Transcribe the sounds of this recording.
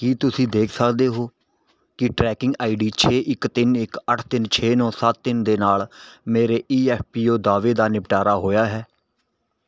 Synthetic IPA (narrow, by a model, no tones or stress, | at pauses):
kiːt̪ʊsĩːd̪eːkʰsəkd̪eːɦoː | kɪʈɾɛːkɪ̃ŋɡaːiɖiːt͡ʃʰeːʔɪkt̪ɪnɪkəʈʰt̪ɪnt͡ʃʰeːnɔ̃ːsət̪̚t̪ɪnd̪eːnaːlmeːɾeːʔiːɛːppiːoːd̪aːʋeːd̪aːnɪpʈaːɾaːɦoːjaːɦɛː